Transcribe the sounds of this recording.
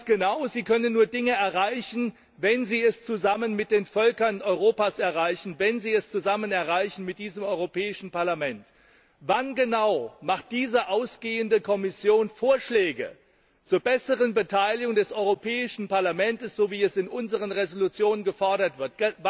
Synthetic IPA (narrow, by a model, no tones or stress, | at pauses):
ɡ̥ənaʊziːkʰœnənːuːɐdɪŋəɛɐʁaɪçn̩ | vɛnziːɛst͡suzamənmɪt̚d̥eːnfœlkɐnʔɔʏʁoːpaːsɛɐʁaɪçn̩vɛnziːɛst͡suzamənɛɐʁaɪçn̩mɪt̚d̥iːzəmɔʏʁopʰɛːɪʃn̩paɐlamɛnt | vanɡənaʊmaχt̚d̥iːzəʔaʊsɡ̥eːəndəkʰɔmɪsjoːnfoːɐʃlɛːɡə̰ | t͡suːɐbɛsəʁənbətʰaɪlɪɡʊŋdɛsʔɔʏʁopʰɛːɪʃn̩paɐlamɛntəsz̥oːviːɛsɪnʔʊnzəʁ̞ənʁezolut͡sjoːnənɡəfɔɐɾɐtv̥ɪɐtɡ̥